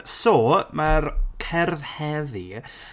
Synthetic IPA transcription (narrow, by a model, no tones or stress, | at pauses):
soːmarkʰɛrðhɛði